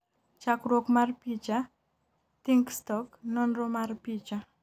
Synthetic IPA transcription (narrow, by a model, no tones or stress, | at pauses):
t͡ʃakɾokmaɾpit͡ʃa | t̪iŋkst̪ɔknɔnromaɾpid͡ʒa